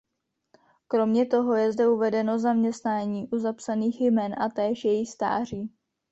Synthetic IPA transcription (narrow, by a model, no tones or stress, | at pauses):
kɾo̞mɲɛt̪o̞ɦo̞jɛzdɛuvɛdɛno̞zamɲɛst̪naːɲiːʔuzapsaniːxjmɛnʔat̪ɛːʃjɛjɪxst̪a̰ːr̝iː